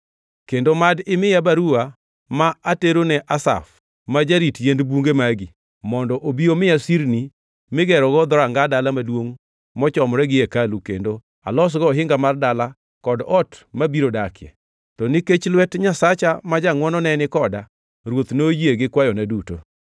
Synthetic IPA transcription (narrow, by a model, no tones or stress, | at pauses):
kendomadɪmɪjabaɾua | maateɾonɛʔasa̰f | mad͡ʒaɾitjendbuŋɡemaɡi | mɔndɔʔobiomɪjasiɾni | mɪɡɛɾɔɡɔd̪ɔɾaŋɡadalamadwoŋ | mɔt͡ʃɔmɾɛɡɪekalukḛndo | a̰lɔs̬ɡɔɦɪŋɡamardala | kɔdɔtmabiɾodakʰɪɛ̰ | tɔnɪket͡ʃlwɛtɲasat͡ʃamad͡ʒaŋwɔnɔnɛnɪkɔda | ɾwot̪nojeɡɪkwajɔnɛduto̰